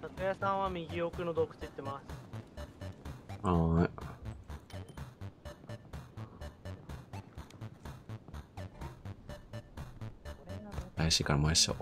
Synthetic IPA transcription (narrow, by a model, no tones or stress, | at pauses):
t̪akɯjasãɰ̃βamʲiɡʲiokɯ̟nod̪okɯ̟̥t͡sɨit̪ːe̞masɨ̥ | a | ajaɕiːkaɾamojaɕo̰